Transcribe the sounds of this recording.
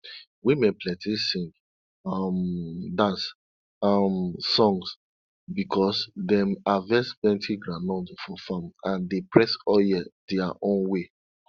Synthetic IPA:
wimepʰlɛtʰisĩŋɡ | ɔmdãns | amsɔ̃ŋs | bikʰɔsdɛ̃mavɛsbɛ̃ntʰiɡɹãnɔ̃dfɔfãmãndepʰɹɛsɔjɛdɛaʔõnwe

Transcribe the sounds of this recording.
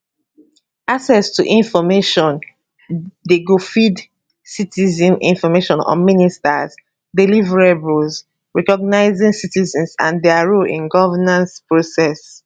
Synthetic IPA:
asɛstuʔĩnfɔmeʃɔ̃n | deɡofid | sitizĩnḭ̃nfɔmeʃɔ̃nɔ̰ministaz | delivɹebuls | ɹɛkɔɡnaɪzĩŋsitizɛ̃nsã̰ndɛaɹolʔḭ̃nɡɔvanãnspɹosɛs

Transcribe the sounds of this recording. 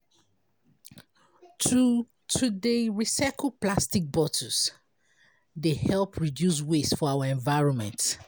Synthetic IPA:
tʰudəɹisakʰəlplastik̚bɔtʰɔs | dehɛlˠpʰɹidjus̬wesfɔawəɛ̃ɱvaɪɹɔ̃nmɛ̰̃nt

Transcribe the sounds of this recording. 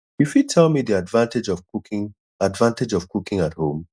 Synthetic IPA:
ifjutʰɛlˠmidiadvãntɪd͡ʒɔukɪ̃ŋ | advãnted͡ʒɔv̥kukɪ̃ŋathõm

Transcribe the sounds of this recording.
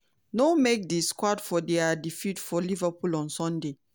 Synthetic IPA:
nomek̚diskwadfɔdɛadifitfɔlivəpulɔ̃nsɔ̃nde

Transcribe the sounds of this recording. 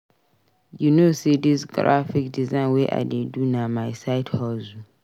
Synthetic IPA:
junosidisɡɹa̰fikdizãɪ̃nwɛʔa̰dedunamajsaɪtʰhɔzu

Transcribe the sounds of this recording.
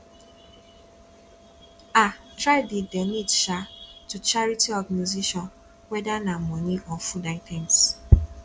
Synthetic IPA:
atɾaɪdidɛnidʃatut͡ʃaɹitiɔɡaniziʃɔ̃n | wɛdanamɔniʔɔfudaɪtʰɛ̃ns

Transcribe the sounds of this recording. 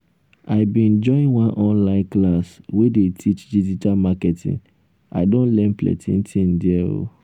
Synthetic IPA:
aɪbĩnd͡ʒɔ̃ĩnwãnʔɔ̃nlãɪ̃nklaswedetʰit͡ʃdid͡ʒitalmakɛtʰḭ̃ŋ | a̰ɪdõnlɛ̃nplɛ̰tʰḭ̃ntʰĩn̩diɛo̰

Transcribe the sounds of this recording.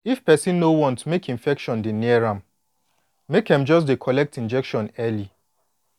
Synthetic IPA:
ifpɛsĩnːowɔ̃ntmekĩɱfɛkʃɔ̃ndiniɛɹãm | mekãmd͡ʒɔs̬dekʰɔlɛk̚tĩnd͡ʒɛkʃɔ̃nɛli

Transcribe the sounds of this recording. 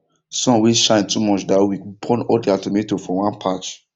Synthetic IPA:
sɔ̃nwiʃãɪ̃ntumɔt͡ʃdawikbʰɔ̃nɔdiatometofɔwãnpʰat͡ʃ

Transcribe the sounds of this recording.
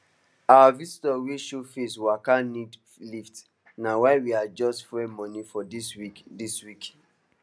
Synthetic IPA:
awavisitɔwiʃufeswakanid | lift | nawaɪwiad͡ʒɔstfɹemɔ̃nifɔdisidiswik

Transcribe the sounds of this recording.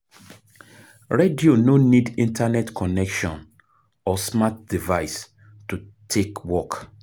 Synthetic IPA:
ɹediononidĩntʰanɛtkʰɔnɛkʃɔ̃n | ɔsmat̚d̥ivaɪs | tutʰekwɔk

